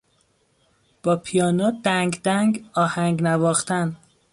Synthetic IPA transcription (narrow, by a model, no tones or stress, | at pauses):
b̥ɒːpʰijɒːnɒːd̪æŋɡd̪æŋɡɒːhæŋɡnævɒːxt̪æn